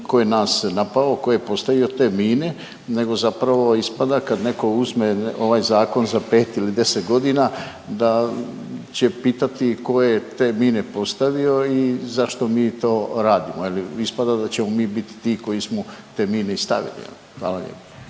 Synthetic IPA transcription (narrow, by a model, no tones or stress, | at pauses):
ko̞jenaːsnapaloko̞jepo̞st̪aʋio̞t̪e̞ːmiːne̞ | ne̞ɡo̞zapɾaʋo̞ispad̪akad̪ne̞ko̞uzmeʔo̞ʋaːjzaːko̞nzape̞ːt̪ilid̪e̞set̪ɡo̞d̪inaː | d̪a | t͡ɕe̞piːt̪at̪iko̞jet̪e̞ːmiːne̞po̞st̪aʋio̞izaʃt̪o̞miːt̪o̞ːɾaːd̪imoeliispad̪ad̪at͡ɕe̞momiːbit̪i̥t̪iːko̞jismot̪e̞ːmiːneist̪a̰ʋḭlḭjḛlixʋa̰ːlˠaʎʲḛpa